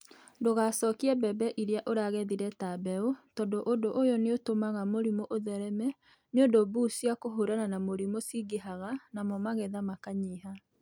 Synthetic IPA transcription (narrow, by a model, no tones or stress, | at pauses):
ndoɣasɔkiɛbɛbɛʔiɾeaʔoɾaɣɛðiɾɛtabɛotɔdoʔodoʔojɔneotomaɣamoɾimoʔoðɛɾɛmɛ | neondobusiakoɦoɾananamoɾimosiɡeɦaɣanamɔmaɣɛðamakaɲeɦa